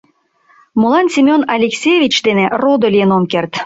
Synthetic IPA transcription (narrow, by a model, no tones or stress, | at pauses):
molɑnsʲimʲonɑlʲeksʲejvʲit͡ɕd̪enerod̪olʲijenomkert̪